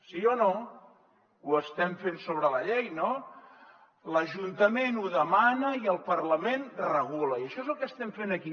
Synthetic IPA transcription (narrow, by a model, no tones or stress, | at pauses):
siono | uəst̪ɛɱfensoβ̞ɾələʎejno | ləʒunt̪əmenuðəmanəiəlˠpəɾləmenrəɣ̞uləiəʃɔezəlˠkəst̪ɛɱfenəki